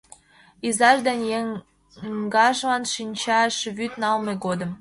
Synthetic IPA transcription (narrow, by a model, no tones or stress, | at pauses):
izɑʒd̪enʲjeŋ | ɡɑʃlɑnʃinʲt͡ɕɑʃβyt̪nɑlmeɡod̪ə̆m